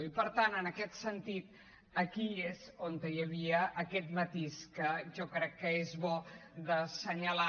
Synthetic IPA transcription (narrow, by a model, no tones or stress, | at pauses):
ipəɾt̪anənəkɛt̪sənt̪it̪̚ | əkiezont̪əjəβ̞iəʔːkɛt̪mət̪iskəʒɔkɾɛkːəezβɔd̪əsəɲəla